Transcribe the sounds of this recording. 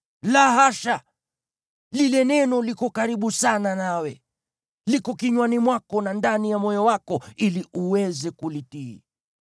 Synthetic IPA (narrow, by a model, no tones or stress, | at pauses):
laɦaʃa | lilɛnɛnɔlikɔkaɾiɓusananawɛ | likɔkiɲwanimwakɔnandanijamɔjɔwakɔiliʔuwɛzɛkulitḭː